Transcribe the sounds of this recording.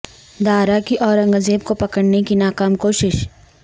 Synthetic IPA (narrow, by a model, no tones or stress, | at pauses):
d̪aːɾakiʔɔːɾɐ̃ŋɡəzeːb̚kopɐkəɽnekinaːkaːmkoːʃɪʃ